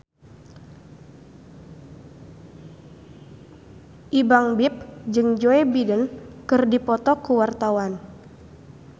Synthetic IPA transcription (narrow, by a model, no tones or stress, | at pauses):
ʔibaŋbɪp̚d͡ʒɨŋd͡ʒoɛbidənkɨrdipɔt̪ɔkuwart̪awan